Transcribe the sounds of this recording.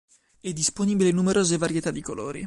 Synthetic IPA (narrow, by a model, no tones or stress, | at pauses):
ɛd̪ːisponiːbilenumeɾʔoːzevaɾjet̪ad̪ːikolo̰ːɾḭ